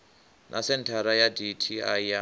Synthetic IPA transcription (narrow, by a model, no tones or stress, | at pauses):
nʔasɛntʰaɾajaditʰiaa